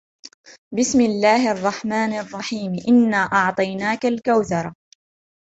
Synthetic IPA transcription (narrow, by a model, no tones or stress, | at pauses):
bɪsmɪlːaːhʔɑrˤːɑħmaːnʔɑrˤːɑħiːmʔɪnːaːʔɑʕt̪ˤɑjnaːkalkawθɑɾˤɑ